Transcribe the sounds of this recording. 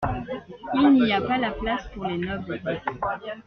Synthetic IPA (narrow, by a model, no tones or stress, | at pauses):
ilniapalaplaspuʁlenœbl